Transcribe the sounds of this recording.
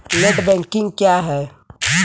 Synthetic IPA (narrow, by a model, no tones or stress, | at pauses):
leʈbɛ̃ŋkɪ̃ŋɡkjaɦɛ